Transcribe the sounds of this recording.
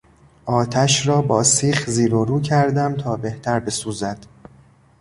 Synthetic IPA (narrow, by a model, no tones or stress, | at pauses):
ʔɒːt̪ʰæʃɾɒːbɒːsiːxziːɾoɾuːcʰæɾd̪æmt̪ʰɒːbe̞ht̪ʰæɾbe̞suːzæd̪̥